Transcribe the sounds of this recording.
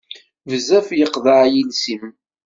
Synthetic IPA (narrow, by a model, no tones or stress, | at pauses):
vəzæfjəqðaʕjinsim